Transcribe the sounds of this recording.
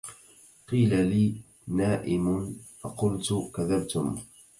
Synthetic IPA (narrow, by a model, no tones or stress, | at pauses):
qiːlaliː | naːʔɪmʊnfa̰qʊlt̪ʊkaðabt̪ʊm